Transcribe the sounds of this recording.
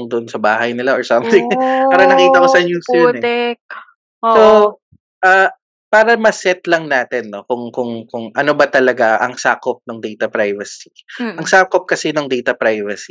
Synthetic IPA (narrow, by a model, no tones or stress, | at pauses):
ŋd̪ʊʔonsɐbaːɦɐjnɪlaʔoɹsɐmt̪ɪŋpaːɾɐnɐkiːt̪ɐkosɐɲuːsjonɛɛk̚ | so | ʔaː | paːɾɐmɐsɛt̪̚lɐŋnaːt̪ɛnːokʊŋkʊŋkʊŋʔɐno̞bɐt̪ɐlɐɡaʔɐŋsaːkop̚noŋd̪ɛjt̪ɐpɾajvɐsiʔɐŋsaːkop̚kɐsɛnoŋd̪ɛjt̪ɐpɾajvɐsi